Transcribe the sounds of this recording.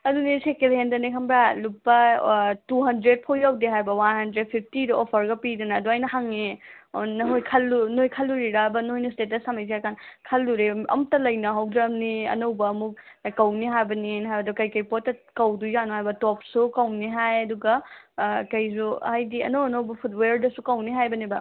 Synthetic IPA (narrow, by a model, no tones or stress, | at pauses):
ɐdunisekelhendɐnikʰɐmbɾalupːɐtuɦɐndɾed̚pʰojawdiɦajbɐwanɦɐndɾed̚pʰip̚ʰtidɐopʰɐɾɡɐpidɐnɐːduajnɐhaŋenɐɦojkʰɐlːunojkʰɐlːuɾiɾabɐnojnustetɐsamajziajkʰankʰɐlːuɾeɐ̰mutɐlɐjnɐɦawdɾɐmniɐ̰nɐwbɐːmuk̚ | kɐwniɦajbɐninɦajbɐdukɐjkɐjpotːɐkɐwdujanuɦajbɐtɔp̚sukɐwniɦajɐduɡɐ | kɐjsuhajdiɐ̰nowɐnowbɐpʰutweɾdɐsukɐwniɦajbɐnibɐ